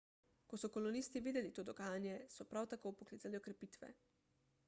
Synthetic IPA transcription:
kɔsɔkɔlɔnist̪iʋiːd̪ɛlit̪oːd̪ɔɡaːjanjɛsɔpɾawt̪akowpɔkliːzaliɔkɾɛpiːt̪ʋɛ̰

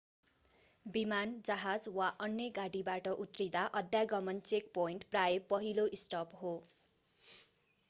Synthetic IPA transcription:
bimand͡zʌɦad͡zwaʔʌnjʌɡaɽibaʈʌʔut̪rid̪aʔʌd̪ʱjaɡʌmʌnt͡sek̚poiɳʈprajʌpʌɦiloisʈʌpɦo

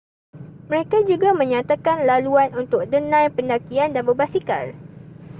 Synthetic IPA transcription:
məɾekad͡ʒuɡamə̃ɲãt̪akanlaluanunt̪ʊk̚dənãjpəndakiandanbəbasika̰l

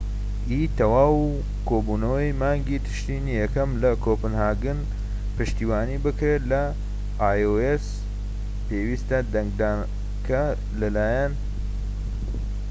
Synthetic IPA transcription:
ʔiːt̪ɐwaːwu | kʰoːbuːnɐwɐjmaːŋɡit̪ʰɨ̥ʃt̪iːnijɛkɐmlɐkʰoːpɨnhaːɡɨn | pɨʃt̪iːwaːniːbɨkɾelɐ | aːjoes | peːwiːst̪ɐd̪ɐŋɡ̚d̪aːn | kʰɐ | lɐlaːjɐn

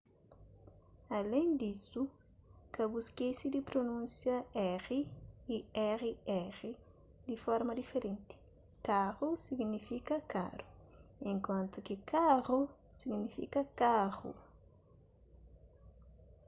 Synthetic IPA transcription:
alẽnd̪isu | kɐbuskesid̪ipɾonũnsjɐɛʁiː | ɛʁiɛʁi | d̪ifɔɾmɐd̪ifeɾẽnt̪i̥ | kaʁusiɡnifikɐka̰ɾuẽŋkwãnt̪ukikaʁu | siɡnifḭkɐkaʁṵ

